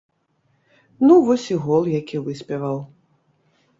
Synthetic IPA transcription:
nuvɔsʲiɣɔlˠjakʲivɨsʲpʲɛvɐw

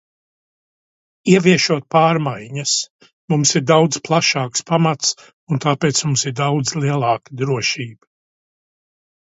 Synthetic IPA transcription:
iɛvʲiɛʃuɔt̪̚paːɾmajɲɐs | mumsiɾd̪awd̪zplˠaʃaːkspamat̪s | unt̪aːpeːt̪smumsiɾd̪awd̪zlˠiɛlˠɑːkɨd̪ɾuɔʃiːbɨ

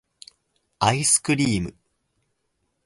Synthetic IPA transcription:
aisɨ̥kɯ̟ɾʲiːmɯ̟

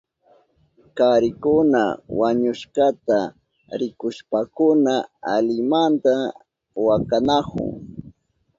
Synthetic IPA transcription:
kaɾɪkʊna̰waɲʊʃkat̪a | ɾɪkʊʃpakʊnaalɪmant̪a | wakanakʊ̰ŋ

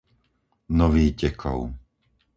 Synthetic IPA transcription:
nɔʋiːcɛkʰɔ̰ʊ

